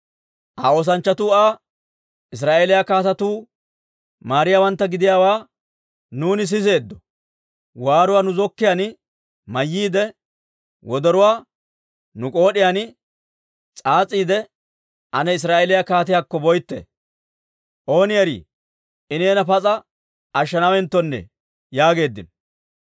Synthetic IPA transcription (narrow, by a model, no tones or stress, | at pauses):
ʔao̞ːs̬ɐnt͡ʃːɐt̪uːaː | ʔɪs̬ɾaːʔeːlɪjakaːt̪ɐt̪uː | maːɾɪjaːwɐnt̪ːɐɡɪd̪ɪjaːwaː | nuːnɪs̬ɪs̬e̞ːd̪ːɔ | waːɾʊwaːnʊzɔkːɪjaːn | mɐjːiːd̪ɛ | wɔd̪ɔɾʊwaː | nʊkʼo̞ːɗɪjanɪ | t͡sʼaːt͡sʼːiːd̪ɛ | ʔɐnɛɪs̬ɾaːʔelɪjakaːt̪ɪjakːɔbɔjt̪ːḛː | ʔo̞ːnɪjɐɾḭː | ʔɪneːnɐpɐt͡sʼɐ | ʔɐʃːɐnawɛnt̪ːɔnːɛ̰ | jaːɡe̞ːd̪ːɪnɔ